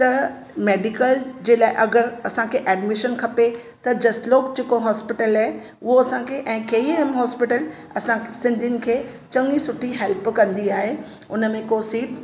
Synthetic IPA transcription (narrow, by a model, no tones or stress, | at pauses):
t̪ɐ | meːɖɪkəld͡ʑeːlaːɪʔɐɡəɾɐsãkʰeːʔɛːɖmɪʃənkʰɐpe | t̪ɐd͡ʑɐsloːkd͡ʑekoɦɔːspɪʈəlaː | ʊɦoɐsãkʰeʔɛ̃ːkeːemɦɔːspɪʈəl | ɐsãsɪ̃nd̪ʱiɪnɪ̆kʰeːt͡ɕɐ̃ŋisʊʈʰiɦɛlpkɐ̃nd̪iaːɦe | ʊnəmẽkosiːʈ